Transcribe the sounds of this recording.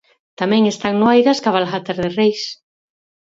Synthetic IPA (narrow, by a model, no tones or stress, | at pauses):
t̪amɛ̃ŋest̪aŋnoajðaskaβalxat̪aɾðerejs